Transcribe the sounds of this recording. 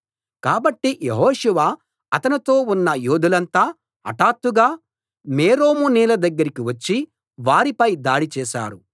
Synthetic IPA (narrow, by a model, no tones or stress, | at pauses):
kaːbɐʈːijeɦɔːʂuʋa | ɐt̪ɐnit̪o̞ːunːɐjoːd̪ulɐnt̪aː | ɐ̰ʈaːt̪ːuɡaː | meːɾoːmuniːlɐd̪ɐɡːɐɾikiʋɐt͡ʃːi | ʋaːɾipɐjd̪aːɽit͡ʃɛːʃa̰ːɾu